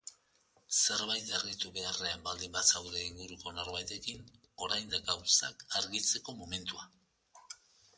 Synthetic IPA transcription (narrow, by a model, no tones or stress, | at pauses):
se̞ɾβajt̪aɾɣit̪uβe̞areambald̪imbasawðe̞iŋɡuɾuko̞no̞ɾβajt̪e̞kin | o̞ɾajnd̪aɡawsakaɾɣit͡se̞ko̞mo̞me̞nt̪ua